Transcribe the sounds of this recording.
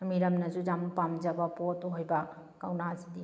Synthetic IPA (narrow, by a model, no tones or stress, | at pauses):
miɾɐmnɐzud͡ʒamupamd͡ʒabapɔtɔɦɔjba | kawnazidi